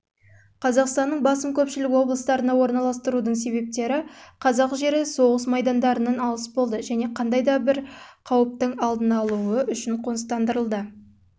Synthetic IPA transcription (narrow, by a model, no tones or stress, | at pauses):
qʰɑzɑqst̪ɑnːəɴbɑsəmkʲʰɵpʃɪlɪkʲwo̞blˠəst̪ɑɾənɑwo̞ɾnɑlˠɑst̪əɾud̪əɴs̬e̞βe̞p̚t̪e̞ɾɪqʰɑzɑqʒe̞ɾɪso̞ʁəsmɑjd̪ɑnd̪ɑɾənɑnɑlˠəsbo̞lˠd̪əʒæne̞qʰɑnd̪ɑjd̪ɑbɪɾqʰɑwəp̚t̪əɴɑlˠd̪ənɑlˠuəʔʏʃɪɴqʰonəst̪ɑnd̪əɾəlˠd̪ə